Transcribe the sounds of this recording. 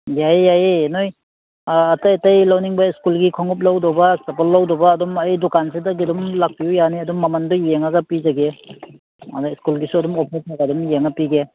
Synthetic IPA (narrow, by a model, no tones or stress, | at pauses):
jajjajenojː | tajtajlawniŋbaiskulɡikʰɔŋɔp̬̚lawdɔbasɐpɔlːawdɔbaːdɔmajdɔkansidaɡidɔmlak̚pijujaniɐdɔmːamandɔjeŋaɡapizaɡe | a̰dɔskulɡisuɐdɔmɔpʰitʰaɡɐdɔmjeŋapiɡe